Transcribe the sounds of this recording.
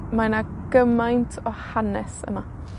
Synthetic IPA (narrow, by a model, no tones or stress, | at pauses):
manaɡ̥əmajntʰɔhanɛsə̰ma